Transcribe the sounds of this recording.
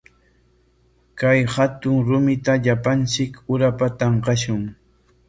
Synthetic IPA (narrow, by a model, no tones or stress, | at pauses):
kajhat̪ʊŋɾʊmɪt̪aʎapant͡ʃɪkʊɾapat̪ɑɴqɑʃʊŋ